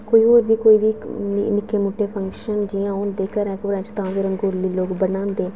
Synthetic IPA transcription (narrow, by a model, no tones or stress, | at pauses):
koːiːoːɾbiːkoːiːʋiːnɪkːeːmʊʈːeːpʰə̃ŋkʃənd͡ʒiːãːõːnd̪eːkəɾɛ̃ːkʊɾɛ̃t͡ʃt̪ãːʋiɾəŋɡoːɾliːloːɡbənãːnd̪eː